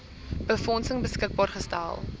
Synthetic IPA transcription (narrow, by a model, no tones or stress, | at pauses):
bəfɔnsəŋbəskək̚bɑːrχəstæ̰lˠ